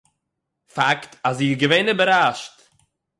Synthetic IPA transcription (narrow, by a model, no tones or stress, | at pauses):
faktaziːɡəveɪnɪbəɾaʃt